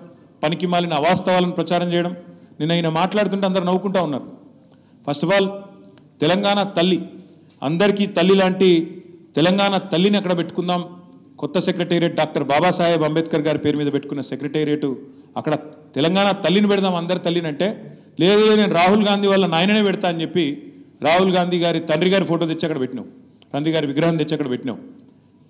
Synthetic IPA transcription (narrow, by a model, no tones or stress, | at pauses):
pɐnikimaːlinɐʋaːst̪ɐʋaːlɐnipɾɐt͡ʃaːɾɐmt͡ʃɛjɐɽɐmninːɐːjinɐmaːʈlaːɽut̪̬uɳʈeɐnd̪ɐɾinɐwːukuɳʈaːunːaːɾu | pʰɐsʈɐfaːl | t̪ɛlɐŋɡaːnat̪ɐlːi | ɐ̰nd̪ɐɾikiːt̪ɐlːilaːɳʈit̪ɛlɐŋɡaːnat̪ɐlːiniɐkːɐɽɐpe̞ʈːukund̪aːm | kɔt̪ːɐsekɾeʈeːɾijɐʈ̚ɖaːk̚ʈɐɾbaːbaːsaːjɐbɐmbeːt̪̚kɐɾɡaːɾipe̞ːɾumiːd̪ɐbeʈːukunːɐsekɾeʈeɾijɐʈu | ɐkːɐɽɐ | t̪ɛlɐŋɡaːɳat̪ɐlːinipɛɽid̪aːmɐnd̪ɐɾit̪ɐlːinɐɳʈe̞ː | leːd̪ɐleneːnuɾaːɦulɡaːnd̪ʱiːʋɐlːɐnaːjnɐneːʋɛɽit̪aːɐnt͡ʃe̞pːiɾaːɦulɡaːnd̪ʱiːɡaːɾit̪ɐnɖɾiɡaːɾipʰoːʈoːt̪et͡ʃːiɐkːɐɽɐbeʈːinɐ̰ːwu | ɾɐnɖ̪ɾiɡaːɾiʋiɡɾɐɦɐnt̪et͡ʃːɐkːɐɽɐbeʈːinɐ̰wu